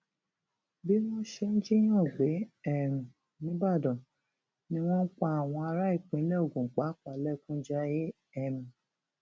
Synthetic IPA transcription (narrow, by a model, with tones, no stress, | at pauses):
bi˦w̃ɔ̃˦ʃe˧n̩˦d͡ʒi˦j̃ɔ̃˦˨ɡ͡be˨˦ɛ˦˨mũ˨ | nĩ˦ba˦˨dɔ̃˨ | nĩ˧w̃ɔ̃˦k͡pa˦a˨w̃ɔ̃˧a˧ɾa˦i˦˨k͡pĩ˨˦lɛ˦o˦˨ɡũ˨k͡pa˨˦k͡pa˨lɛ˦˨kũ˦d͡ʒa˧˦je˦ | ɛ˦˨mĩ˨